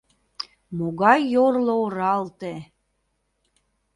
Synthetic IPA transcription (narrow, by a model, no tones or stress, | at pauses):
moɣɑjːorlooɾɑlt̪e